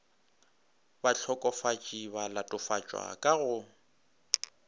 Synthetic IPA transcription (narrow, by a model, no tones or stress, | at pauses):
baɬʰɔkʼɔfat͡ʃʼiβalatʼʊfat͡ʃʼwa̰kʼaɣʊ